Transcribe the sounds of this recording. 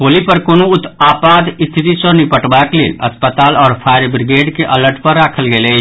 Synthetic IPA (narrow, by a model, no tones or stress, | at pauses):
kolipəɾkonout̪apad̪ist̪ʰit̪isə̃nipəʈbaklḛːlə̰spət̪aːlɔːɾpʰajɾbɾiɡeɖkeʔələɾʈpəɾːakʰəlɡelət͡ʃʰ